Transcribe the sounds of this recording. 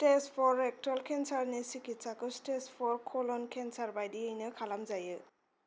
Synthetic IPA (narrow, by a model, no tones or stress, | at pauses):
tespʰɔɹɛk̚tɔlkʰɛnsaɹnisikʰitsakɯstespʰɔɹkʰɔlɔnkʰɛnsaɹbajdiɯjnɯkʰalamzajɯ